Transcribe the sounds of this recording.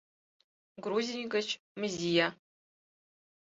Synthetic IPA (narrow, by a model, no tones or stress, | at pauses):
ɡɾuzinikʼɐt͡ʃʰ | mɨzija